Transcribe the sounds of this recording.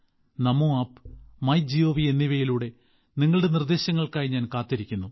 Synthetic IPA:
nɐmoaːpmɐjd͡ʑijo̞ːʋienːiʋɐjiluːɽe̞ | niŋːɐɭɽe̞nird̪e̞ːɕɐŋːɐɭkaːjiɲaːnkaːt̪ːiɾikʲːunːu

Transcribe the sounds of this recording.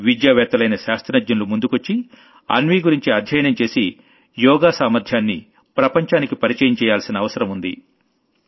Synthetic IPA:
ʋid̪jaːʋɛːt̪ɐlɐjnɐʃaːst̪ʰɐnɐd͡ʒ̪jɐnlumund̪ukot͡ʃːi | ɐ̰nʋiːɡuɾiɲt͡ʃiɐd̪ʱjɐjɐnɐmt͡ʃe̞ːsi | jɔːɡaːsaːmɐɾd̪ʱjaːnːḭ | pɾɐpɐɲt͡ʃaːnikipɐɾit͡ʃɐjɐmt͡ʃɛːjaːlsinɐːʋɐsɐɾɐmund̪ḭ

